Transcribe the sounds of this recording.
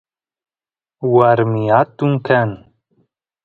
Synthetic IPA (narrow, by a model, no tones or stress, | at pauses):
waɾmijat̪ːuŋkʰan